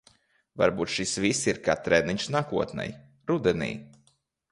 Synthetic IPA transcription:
va̰ɾbuːt̪ʃisvisiɾka̰ːt̪ɾɛniɲʃsnaːkuɔt̪nɛ̰j | ɾud̪ɛnḭː

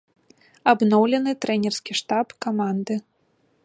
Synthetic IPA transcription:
abnɔwlʲɛnɨt̪ɾɛnʲɛrskʲiʂt̪apkamand̪ɨ

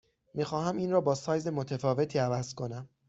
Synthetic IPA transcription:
miːxɒːhæmiːnrɒːbɒːsɒːjze̞mo̞t̪ʰefɒːve̞t̪ʰiːævæz̥kʰo̞næm

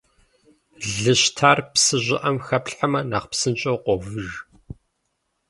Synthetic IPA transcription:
ɮɨɕtʰaːrpsɨʑʷɪ̰ʔɐmxɐpɬħamɐnaːχpsɨnt͡ʃʼowqʷɔvɨr

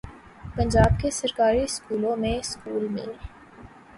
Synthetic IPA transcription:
pɐ̃ɲd͡ʒaːbkesɐɾkaːɾiskuːlõmẽɪskuːlmḭ̃l

